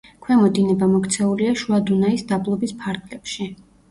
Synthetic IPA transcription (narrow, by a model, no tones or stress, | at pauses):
kʰwɛmɔd̪inɛbamɔkt̪sʰɛuliaʃuad̪unaisd̪ablˠɔbispʰaɾɡlɛpʃi